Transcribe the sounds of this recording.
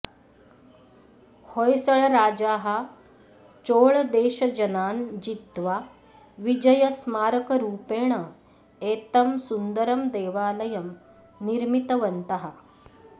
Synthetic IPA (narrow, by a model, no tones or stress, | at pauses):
hojsɐɭɐɾaːd͡ʒaːɦɐ | t͡ʃoːɭd̪eːʃɐd͡ʒɐnaːnd͡ʒit̪ʋa | ʋid͡ʒɐjɐsmaːɾɐkɐɾuːpeːɳ̃ɐ | eːt̪ɐmsund̪ɐɾɐmd̪eːʋaːlɐjɐm | niɾmit̪ɐʋɐnt̪ɐɦɐ